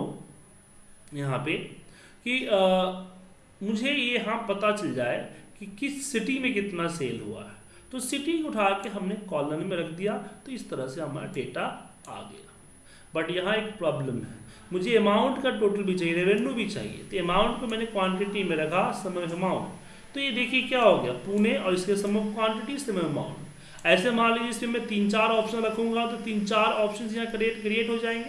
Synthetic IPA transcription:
jɐɦãpe | ki | mʊd͡ʒʱejeɦãpɐt̪at͡ʃɐld͡ʒaːekikisɪʈimẽkɪt̪naseːlɦua̰ɦɛ | t̪osɪʈɪ̃ŋɡʊʈʰaːkeɦɐmnekɔːlənmẽɾɐkʰd̪ijat̪oɪst̪ɐɾəɦseɦɐma̰ːɾa̰ɖeːʈa | a̰ːɡɐ̰jaː | bɐʈjɐɦãeːk̚pɾɔːbləmɦɛ̰ː | mʊd͡ʒʱeɐmaːʊ̃ɳʈkaʈoːʈəlbʱit͡ʃaːɦiɾeʋeɳɖubʱit͡ʃa̰ːɦḭjḛt̪oemaːʊ̃ɳʈkomɛːnekwãːɳʈɪʈimẽɾɐkʰasɐmmaːʊ̃ɳʈ | t̪ojed̪eːkʰiekjaɦoɡejapuːneɔːɾɪskesɐmuk̪kwaːɳʈɪʈisemeɐma̰ːʊ̃ɳʈ | ɛːsemaled͡ʒɪsmemɛ̃t̪iːnt͡ʃaːɾɔːpʃənɾɐkʰũːŋɡat̪ot̪iːnt͡ʃaːɾɔːpʃənsjɐɦãkɾeːʈkɾieːʈɦod͡ʒaːẽːŋɡeː

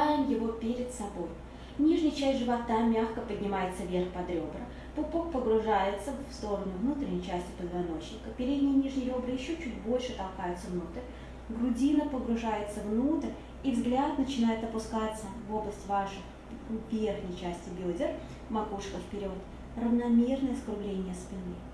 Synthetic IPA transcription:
ajɪmjɪvo̞pʲeɾʲɪt̪sɐbo̞j | nʲiʐnʲɪjt͡ɕæsʲtʲʐɨvɐt̪amʲaxkəpədʲnʲɪmajɪt̪səvʲe̞rxpɐd̪ɾʲo̞bɾə | pʊpok̚pəɡɾʊʐajɪt̪səfst̪o̞ɾənʊvnut̪ɾʲɪnʲɪjt͡ɕæsʲtʲɪpəd̪vɐno̞t͡ɕnʲɪkəpʲɪɾʲed̪ʲnʲɪjənʲiʐnʲɪɾʲo̞brɨjɪɕːot͡ɕutʲbo̞lʲʂɨt̪ɐlˠkajʊt̪səvnut̪əɾʲ | ɡɾʊdʲinəpəɡɾʊʐajɪt̪səvnut̪əɾʲ | ivzɡlʲat̪nət͡ɕɪnajɪt̪ɐpʊskat̪səvo̞blˠəsʲtʲvaʂɨ | vʲerxnʲəjt͡ɕæsʲtʲɪbʲodʲɪr | mɐkuʂkəfpʲɪɾʲo̞t̪ | rəvnɐmʲernəjəskɾʊblʲenʲɪjəspʲɪnɨ

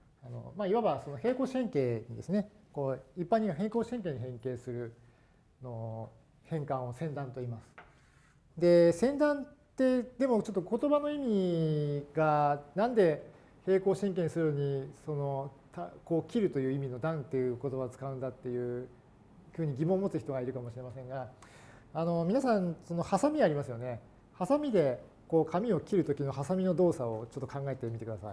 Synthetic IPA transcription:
ano̰maːiβaβaso̞noɦe̞ːko̞ːɕẽ̞ŋke̞ːɲ̟id̪e̞sɨne̞ko̞ːipːãɲ̟ːiβaɦẽ̞ːŋko̞ːɕẽ̞ŋk̬e̞ːɲ̟iɦẽ̞ŋke̞ːsɨɾɯ̟ | no̞ | hẽ̞ŋkãɰ̃o̞sẽ̞nd̪ãnt̪o̞imasɨ̥ | d̪e̞sẽ̞nd̪ãnt̪e̞d̪e̞mo̞t͡ɕo̞t̪ːo̞ko̞t̪o̞bano̞imʲi | ɡanãnd̪e̞ | he̞ːko̞ːɕĩŋk̬ẽ̞ɰ̃sɨɾɯ̟noɲ̟iso̞no̞t̪ako̞ːkʲiɾɯ̟t̪o̞jɯ̟ːimʲino̞d̪ãnt̪ːe̞jɯ̟ko̞t̪o̞bat͡sɨ̥kaɯ̃nd̪at̪ːe̞jɯ̟ː | ɸɯ̟ːɲ̟iɡʲimõ̞ːmo̞t͡sɨçi̥t̪o̞ɡaiɾɯ̟kamo̞ɕiɾe̞masẽ̞ŋɡa | ano̞mʲinasãñso̞nohasamʲiaɾʲimasɨjo̞ne̞ | hasamʲid̪e̞ | ko̞ːkʰamʲio̞kʲiɾɯ̟t̪o̞kʲino̞hasamʲino̞d̪o̞ːsao̞t͡ɕo̞t̪ːo̞kãŋɡae̞t̪e̞mʲit̪ekɯ̟d̪asa̰i

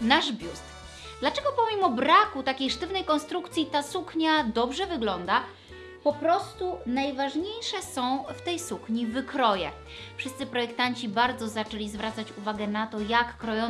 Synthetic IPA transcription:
naʐbʲjust̪ | d̪lat͡ʂɛɡɔpɔmʲimɔbɾakut̪akʲejʂt̪ɘvnɛjkɔnst̪ɾukt̪sʲjit̪asukɲad̪ɔbʐɛvɘɡlɔnd̪a | pɔpɾɔst̪unajvaʐɲejʂɛsɔ̃w̃ft̪ɛjsukɲivɘkɾɔjɛ | fʂɨst̪sɘpɾɔjɛkt̪aɲt͡ɕibaɾd̪zɔzat͡ʂɛlʲizvɾʔat̪sat͡ɕuvaɡɛnat̪ɔjakːɾɔjɔ

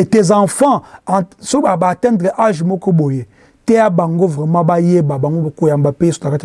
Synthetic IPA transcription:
etezãfãsoɓabatɛ̃ndɾeʔaʒimokoɓoje | teabaŋɡovemabajebabaŋɡobakojambapesu̥taka

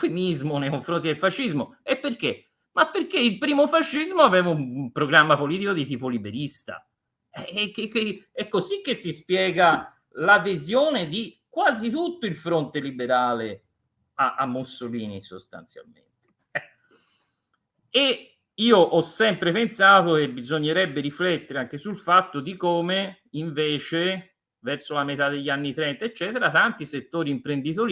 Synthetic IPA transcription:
femizmonejkoɱfɾont̪̬id̪elfaʃːizmoepːerke | mapːerkeilpɾiːmofaʃːizmoavɛːvaumpɾoɡɾamːapoliːt̪ikod̪it̪iːpolibeɾist̪a̰ | ɛkːekːeɛkːozik̟ːesːispjɛːɡa | lad̪ezjoːned̪ikwaːzit̪ut̪ːoilfɾont̪elibeɾaːle | aʔamːosoliːnḭso̰st̪a̰nt̪sja̰lmḛnt̪e̥ | ɛ | e | iːoʔɔsːɛmpɾepensaːt̪ok̟ebizoɲːeɾɛbːeɾiflɛt̪ːeɾeaŋkesulfat̪ːod̪ikoːme | iɱveːt͡ʃe | vɛrsolamet̪ad̪ːeʎːanːit̪ɾɛnt̪aet͡ʃːɛːt̪eɾat̪ant̪iset̪ːoːɾiːmpɾend̪it̪oɾ

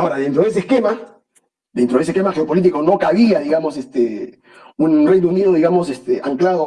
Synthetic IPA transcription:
aoɾaðe̞nt̪ɾo̞ðes̬eske̞ma | d̪ent̪ɾoes̬ekemaxeopo̞lit̪ikono̞kaβiaðiɣamo̞sest̪e | unre̞jnouniðoðiɣamo̞sest̪eaŋklaðo

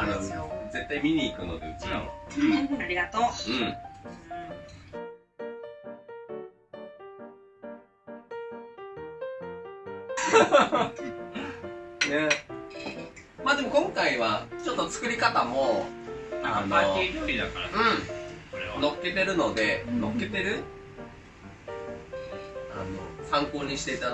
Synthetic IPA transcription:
aɾɯze̞t̪ːaimʲiɲ̟iːkɯ̟no̞d̪eɯ̟t͡ɕiɾa̰aɾʲiɡat̪oːɯ̟̃ɴɴ | ne | maːd̪e̞mo̞kõ̞ŋkaiβat͡ɕo̞t̪ːo̞t͡sɨ̥kɯ̟ɾʲikat̪amo̞ | aanaɾʲoid̪akaɾa̰ɯ̟̃ɴsoɾeβano̞kːe̞t̪e̞ɾɯ̟no̞d̪e̞no̞kːe̞t̪e̞ɾɯ̟ | a̰no̰sãŋko̞ːɲ̟iɕi̥t̪e̞it̪a

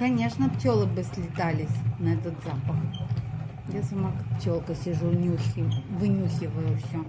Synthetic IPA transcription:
kɐnʲeʂnəptʲolˠəbɨsʲlʲɪt̪alʲɪsʲnɐɛt̪ət̪zapəx | jasɐmakak̚ptʲolˠkəsʲɪʐunʲuxʲɪvɨnʲuxʲɪvəjʊfsʲo

